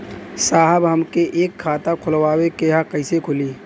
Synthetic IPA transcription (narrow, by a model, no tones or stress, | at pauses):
saːɦəbɦəmkeʔeːkʰːaːt̪akʰʊlwaːwekeɦakəɪsekʰʊliː